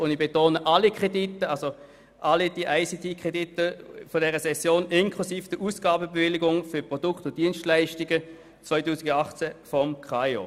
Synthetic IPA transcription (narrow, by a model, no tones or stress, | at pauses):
ʊndib̥etoːnəʔalikʁ̥editːəalso | ʔalid̥iʔaɪsitʰikʁeditəfɔdɛʁəsɛsjoːnɪnkʰlusiːfd̥əʔuːsɡ̥aːbəbevɪliɡʊŋfʏpʁɔd̥ʊktʊd̥iənstlaɪʃtɪɡə | t͡svaɪtuːsɪɡɑχt͡sɛfɔmkχajo̰